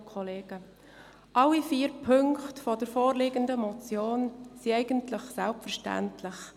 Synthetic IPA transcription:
kʰɔleːɡ̥ə | ʔɑlːifiːɾpʰɵŋktfɔdəɾfɔːɾlɪɡəndəmɔt͡sjoːnsiɛɪɡ̥əntlɪχsɛlpfəɾʃtæ̰ntʰlɪχ

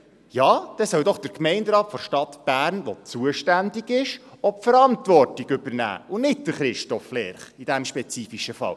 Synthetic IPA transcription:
jɑːd̥ɛsœwdɔχd̥əɾkmɛɪndɾɑːtfɔɾʃtɑtb̥æːrnʋɔt͡suəʃtændiɡɪʃɔpfəɾɑntvɔrtiɡɵbəɾnæ̰ːʊnɪt̚d̥əɾχɾɪʃtɔflɛːɾχid̥æmʃpɛt͡siːfiʃəfɑ̰l

